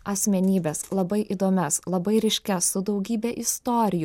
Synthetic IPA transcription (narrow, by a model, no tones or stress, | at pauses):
ɐsʲmʲɛnʲiːbʲeːslˠɐbɐɪʔid̪oːmʲɛslˠɐbɐɪɾʲɛɪʃʲkʲɛsʊd̪ɒʊɡʲiːbʲɛʔɪst̪oːɾʲɪjʊ